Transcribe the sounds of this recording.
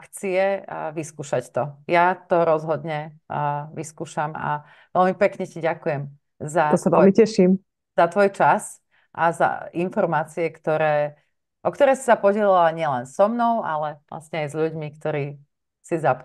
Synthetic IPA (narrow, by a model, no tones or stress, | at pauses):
kt͡siɛʋiskuːʃact̪ɔjat̪ɔɾɔzɦɔd̪ɲɛ | ʋiskuːʃama̰ | ʋɛlmipɛkɲɛciɟakujɛm | zaɔsaʋɛlmicɛʃim | zat̪ʋɔjt͡ʃas | ʔaza̰infɔɾmaːt͡siɛkt̪ɔɾɛː | ʔɔkt̪ɔɾɛːsi̥sapɔɟɛlilaɲɪɛlɛnsɔmnɔʊʔa̰lɛʋla̰sɲɛajzʎuɟmikt̪ɔɾiː | sizap